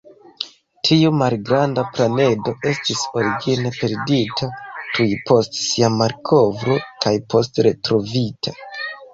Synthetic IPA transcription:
tʰiumalɡɾandaplane̞do̞ʔe̞stiso̞ɾiɡine̞pe̞ɾditʰatujpo̞stsiamaɾkʰo̞vɾo̞kʰajpo̞s̬tɾe̞tɾo̞vitʰa

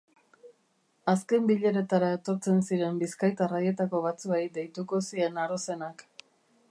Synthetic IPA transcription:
aske̞mbiʎeɾe̞t̪aɾae̞t̪o̞ɾt͡se̞nsiɾe̞mbiskajt̪araje̞t̪ako̞βat͡suejd̪e̞jt̪uko̞sie̞naɾo̞se̞nak

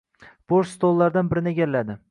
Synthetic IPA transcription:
b̥oɾst̪olˠːaɾd̪anbɪɾɪnɪeɡʲalːad̪ɪ

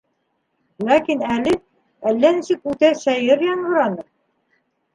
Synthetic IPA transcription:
lækinælɘ | ælːænisɘkʉt̪æʃæjɘɾjɑɴɢɤ̆ɾɑnɤɾ

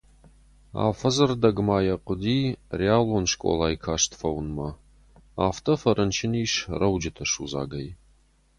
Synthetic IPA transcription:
a̰ːfɐzɨrdɐɡmaːjɐqʷʼʊdiːrjaːlɔnʂkʷʼɔ̰laːjkʰaːʂtʰfɐwnmɐ | aːftʰʼɐfɐɾʔɐnt͡ʃʰɪniːʃrɐwd͡ʒɪtʰɐʂṵza̰ːɡɐj

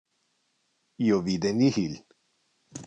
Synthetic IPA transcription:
jovid̪enihil

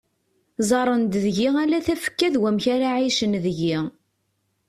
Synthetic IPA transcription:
zˤɑɾˤənd̪ðʝiʁælæθæfə̥kːæðwæmçaɾaʕiʃənðʝi

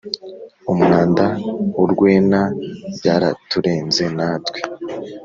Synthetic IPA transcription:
umuaːndauɾɡwe̞ːnaɟaːɾa̰tuɾe̞ːnze̞naːtwe̥

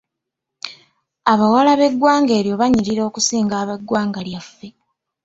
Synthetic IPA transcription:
aβawalaβe̞ɡwaːŋɡe̞ːɾjo̞βaɲiɾiɾo̞ːkusiːŋɡaːβaɡwaːŋɡaljafːe̞

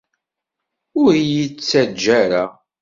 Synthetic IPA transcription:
ʊɾijit͡sːæd͡ʒːæɾa

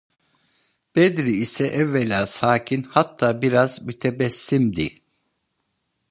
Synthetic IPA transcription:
b̥ɛd̪ɾiːsɛʔɛvːelʲaːsaːcʰinhat̪ʰːaːbiɾazmyt̪ʰebɛsːimd̪i

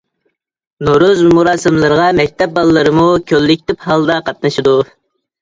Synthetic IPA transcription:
noɾuzmuɾɑːsɨmlˠɨɾəʁɑmɛk̚ʲt̪ʰɛp̚bɑlˠəːɨɾɨmukʲʰølːɪk̚ʲt̪ɪphɑlˠd̪ɑqʰɑt̪̚nɨʃid̪u

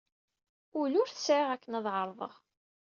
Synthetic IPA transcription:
ʊlʊɾθə̥sʕɪʁækːənæðˤʕəɾˤðˤə̰ʁ

